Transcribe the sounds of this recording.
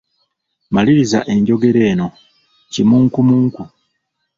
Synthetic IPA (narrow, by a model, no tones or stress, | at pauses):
maliɾizaʔe̞ɲɟo̞ɡe̞ɾe̞ːno̞ | cimuːŋkumuːŋku